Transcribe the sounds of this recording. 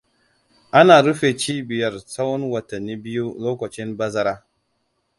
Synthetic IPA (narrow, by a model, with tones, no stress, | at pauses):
a˦na˨ɾu˦fe˨t͡ʃi˦bi˨ja˨ɾt͡sa˦wo˦nwa˨ta˨nːi˦bi˦ju˦lo˦ko˨t͡ʃi˦nba˦za˦ɾa˦